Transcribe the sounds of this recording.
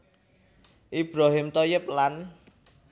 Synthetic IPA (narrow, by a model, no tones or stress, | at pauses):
ʔib̥ɾaɦɪmt̪ojɪp̚lan